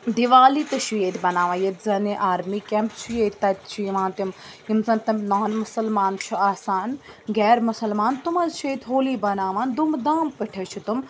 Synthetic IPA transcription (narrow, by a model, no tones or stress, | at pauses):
d̪iʋaːlit̪ɐʃijeːt̪ʰʲbɐnaːʋãːjet̪zɐniʔaːɾmiːkempt͡ʃʰijeːt̪ʲt̪ɐt̪̚t͡ʃʰiiʋãːnt̪im | imsɐnt̪ɐmnaːnmʊsɐlmaːnt͡ʃʰiaːsaːn | ɡɛːɾmʊsɐlmaːnt̪umɐzt͡ʃʰeːt̪ʰʲɦoːliːbɐnaːʋãːnd̪umd̪aːmpəʈʰɐt͡ʃʰit̪um